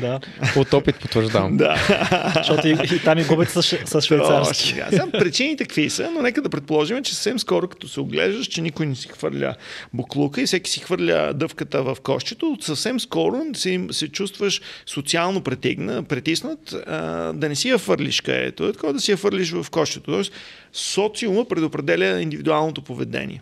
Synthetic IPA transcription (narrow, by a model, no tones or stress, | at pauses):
d̪a | ot̪ɔpit̪̚pot̪vəɾʒd̪av̰md̪a̰ʃɔiit̪amiɡubɛt̪səʃsəsʃvɛaɾʃt̪sɛ̰ɡa̰sampɾɛt͡ʃinit̪ɛkvisənonɛkəd̪ɐpɾɛt̪̚polˠɔʒimɛt͡ʃɛsə̥fsɛmskɔɾokɐ̥t̪ɔsɛoɡlɛ̰ʒd̪əʃt͡ʃɛnikʊjnɛsi̥xvə̰ɾlʲə̰boklˠukəifsɛki̥sixvɤɾlʲə̰d̪ɤfkət̪əvɐfkɔ̰ʃt̪ɛt̪osəfsɛmskɔɾosɛmsɛt͡ʃust̪vəʃsot̪sialˠnopɾɛt̪ḭɡnəpɾɛt̪isnət̪ə̰d̪ɐnɛsijɐxvɤɾlʲḭʃkɐ̰ɛ̰t̪ot̪ɐkɔd̪ɐsijɐxvəɾlʲiʃvɐfkɔʃt͡ʃ̪ɛt̪ot̪ɔɛs | sɔt̪siʊməpɾɛd̪opɾɛd̪ɛlʲəind̪ivid̪ualˠnot̪opovɛd̪ɛ̰nʲḭɛ